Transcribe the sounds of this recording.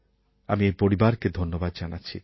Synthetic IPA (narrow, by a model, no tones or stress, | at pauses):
amiejpoɾibaɾked̪ʱonːobad̪d͡ʑanatːt͡ɕʰi